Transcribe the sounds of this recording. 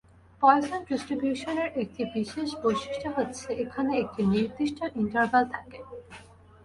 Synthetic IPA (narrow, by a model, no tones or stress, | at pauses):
pɔesonɖisʈɾibjuʃoneɾek̚ʈibiʃeʃbojʃi̥ʃʈʰoɦotːɕʰeʔekʰaneek̚ʈiniɾd̪iʃʈʰoʔiɳʈəɾvalt̪ʰake